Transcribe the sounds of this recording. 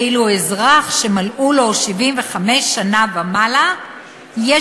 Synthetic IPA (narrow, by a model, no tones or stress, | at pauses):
iluezʁaχʃemalʔulo̞ʃivimve̞χameʃːanabamala | je